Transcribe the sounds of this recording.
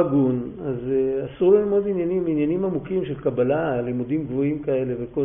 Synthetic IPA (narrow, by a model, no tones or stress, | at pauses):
ɡunazasulelimo̞d̪injaniminjanimamukimʃe̞lkabalalimud̪imɡvo̞imkae̞leveko